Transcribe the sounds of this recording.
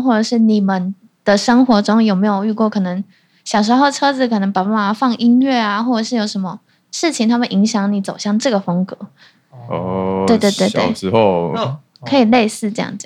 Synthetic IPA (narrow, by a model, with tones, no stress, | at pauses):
xwɔ˥˩ʈ͡ʂə˨˩ʂɻ̩˥˩ni˨˩mə˦n | d̪̥ə˨ʂə˥ŋxwɔ˧˥ʈ͡ʂʊ˥ŋjo˨˩ʊme˧˥ɪjo˨ʊy˥˧kwɔ˥˩kʰɤ˨˩nə˧˦ŋ | ɕjɑ˨˩ʊʂ̬ɻ̩˧˥xo˥˩ʊʈ͡ʂʰɤ˥t͡sɹ̩˨˩kʰɤ˨˩nɤ˧˥ŋpa˨˩pa˥˩ma˨˩fɑ˥˩ŋʔi˥nɥɛ˥˩a˩xwɔ˥˩ʈ͡ʂə˨˩ʂɻ̩˥˩jo˨˩ʊʂə˧˥nmə˧ | ʂɻ̩˥˩t͡ɕʰi˨ŋt̪ʰa˥mə˨nʔi˧˥ŋɕjɑ˧˥ŋni˨˩t͡so˨˩ʊɕjɑ˥˧ŋʈ͡ʂɤ˥˩ɡə˩fɤ˥ŋkɤ˧˦ | t̪we˥˧ɪt̪we˥˧t̪we˥˧ɪwe˥˩˥ | kʰɤ˧˥i˨˩le˥˧ɪsɹ̩˥˧ʈ͡ʂɤ˥˧jɑ̰˥˩ŋ˨˦